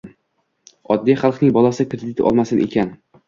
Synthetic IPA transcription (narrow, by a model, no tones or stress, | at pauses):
ɒd̪ːijχɑlˠqnɪŋbɒlˠasɪkɾed̪ɪt̪ʰɒ̰lˠmasɪnʔe̞̰kʲʰan